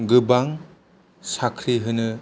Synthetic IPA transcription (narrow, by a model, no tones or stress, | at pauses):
ɡɯbaŋ | sakʰɾiɦɯnɯ